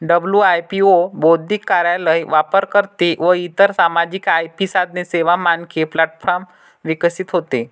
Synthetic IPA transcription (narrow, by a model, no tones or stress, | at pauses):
ɖəbljuajpiobod̪ikːaɾjaləjʋapəɾkəɾt̪eʋəit̪əɾsamad͡ʑikajpisad̪neseʋamankʰeplaʈfʰɔɾm | ʋikəsit̪ɦot̪e